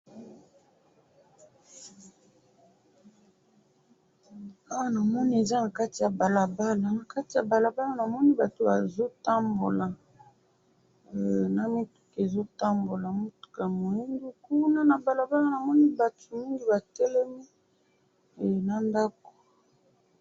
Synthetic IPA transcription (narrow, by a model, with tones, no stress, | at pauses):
a˦wa˦na˨mɔ˦ni˦e˨za˦na˨ka˦ti˨ja˨ba˨la˨ba˦la˨na˨ka˦ti˨ja˨ba˨la˨ba˦la˦na˨mɔ˦ni˦ba˨to˨ba˨zo˦ta˦mbo˨la˨ | na˨mi˦tu̥˦ke˨zo˦ta˦mbo˨la˨mo˦tu̥˨ka˨mo˨i˦ndu˦ku˦na˦na˨ba˨la˨ba˦la˨na˨mɔ˦ni˦ba˨tʰu˨mi˦ŋɡi˨ba˨tɛ˦lɛ˦mi˦˨ | na˨nda˦ko̥˨